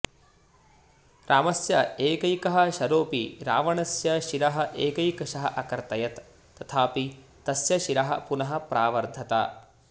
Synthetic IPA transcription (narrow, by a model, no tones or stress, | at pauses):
ɾʔaːmɐsjɐeːkɐjkɐɦɐ̆ʃɐɾoːpiɾa̰ːʋɐɳɐsjɐʃiɾɐɦɐ̆ʔeːkɐjkɐʃɐɦɐʔɐkɐɾt̪ɐjɐt̪ː | ɐt̪ʰaːpi | t̪ɐsjɐʃiɾɐɦɐ̰̆punɐɦɐ̆pɾaːʋɐɾd̪ʱɐt̪ɐ̰